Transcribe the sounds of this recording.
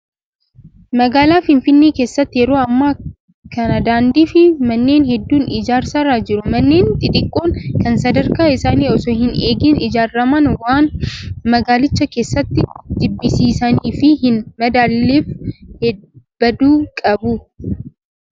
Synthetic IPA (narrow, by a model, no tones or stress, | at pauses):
mɐɡaːlaːfɪnfɪnːeːke̞ːsːɐt̪ːɪjɛɾo̞ːɐmːaː | kɐnɐd̪aːnd̪iːfɪmɐnːe̞ːnɦɛd̪ːuːnɪd͡ʒaːɾsɐɾaːd͡ʒɪɾʊmɐnːe̞ːnt̪ʼɪt̪ʼɪkʼːoːŋkɐnsɐd̪ɐɾkaːɪsaːniːɔsɔhɪneːɡiːnɪd͡ʒaːrːɐmɐnwaːnmɐɡaːlɪt͡ʃːɐke̞ːsːɐt̪ːɪd̪̥ɪbːɪsiːsɐniːfɪhɪnmɐd̪aːlːefhɛb̥ɐd̪uːkʼɐbʊ